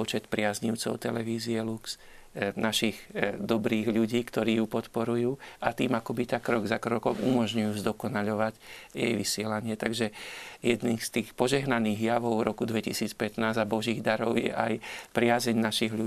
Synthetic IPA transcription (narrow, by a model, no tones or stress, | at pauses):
ɔt͡ʃɛt̪pɾɪazɲiʊt͡sɔ̰ʊt̪ɛlɛʋiːziɛluks | naʃiɣd̪ɔbɾiːɣʎuɟiːkt̪ɔɾiːjupɔt̪pɔɾujuːat̪iːmakɔbit̪akɾɔɡzakɾɔkɔmumɔʒɲujuːzd̪ɔkɔnaʎɔʋaɟjɛ̰jʋisɪɛlaɲɪɛt̪aɡʒɛjɛd̪niːst̪iːxpɔʒɛɦnaniːɣjaʋɔʊvɾʔɔkud̪ʋɛcisiːt͡spɛt̪naːzabɔʒiːɣd̪aɾɔʊjɛ̰ʔajpɾɪazɛɲnaʃiɣʎu